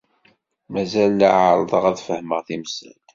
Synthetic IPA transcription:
mæzælːæʕaɾˤðˤəʁæðfəhməʁθimsæ̰l

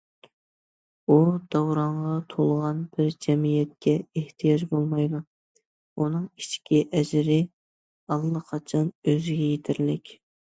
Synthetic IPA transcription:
ud̪̥ɑwɾɑɴʁɑt̪ʰolˠʁɑnb̥ɪɾd͡ʒɛmijɛt̪̚kʲʰɛeht̪ʰijɑd͡ʒbolˠmɑjd̪u | unɨŋit͡ʃʰi̥kʲʰiʔɛd͡ʒɪɾɪ | ɑlˠːɨqʰɑt͡ʃʰɑnøzɪɡʲɛjet̪ʰɪɾlɪkʲ

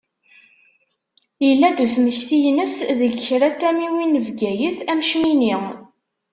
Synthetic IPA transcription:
jəlːæd̪usməçθijnəsðəɡçɾæt̪ːæmiwinəvɡæjəθæmʃmini

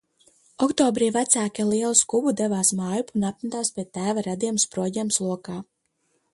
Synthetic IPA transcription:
ɔkt̪ɔːbɾiːvæt̪saːkʲalˠiɛlˠuskubud̪evaːsmaːjupunap̚nʲɛt̪aːspʲiɛt̪æːvaɾad̪iɛmspɾuɔɟɛmslˠuɔkaː

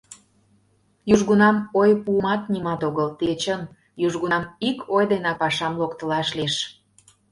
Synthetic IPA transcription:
juʒɣunɑmojpuəmɑt̪nimɑt̪oɣəlt̪it͡ɕən | juʒɣuɑmikʰojd̪enɑpɑʃɑmlokt̪əlɑʃlieʃ

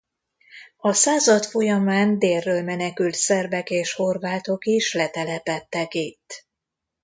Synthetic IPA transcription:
ɒsaːzɒt̪fo̞jɒmaːnd̪eːrːøːlmɛnɛkylt̪sɛrbɛkeːʃho̞rvaːt̪o̞kiʃlɛt̪ɛlɛpɛt̪ːɛkit̪ː

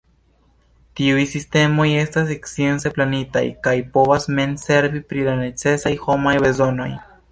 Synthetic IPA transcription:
tiujsiste̞mo̞je̞stas̬eksense̞planita̰jkajpo̞vasme̞nse̞ɾvipɾilane̞t͡se̞sajho̞majbe̞zo̞no̞̰j

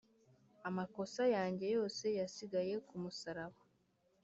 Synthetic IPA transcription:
amako̞sajaːɲɟe̞jo̞ːse̞jasiɡaje̞kumusaɾaβḁ

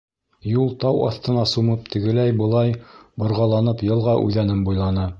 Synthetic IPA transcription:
julˠt̪ɑwɑ̰θt̪ɤ̆nɑsumɤp̚t̪ɘ̆ɡɘ̆læjbɤ̆lˠɑjbŏɾʁɑlˠɑnɤpjɤ̆lˠʁɑʔʉ̰ðænɘmbujlˠɑnɤ

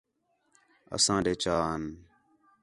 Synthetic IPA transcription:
ə̰sãːɖeːt͡ʃaːn

